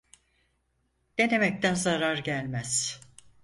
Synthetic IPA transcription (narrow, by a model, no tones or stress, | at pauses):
d̪̥e̞ne̞mɛc̚t̪ʰænzaɾaɾɟælʲmæz̥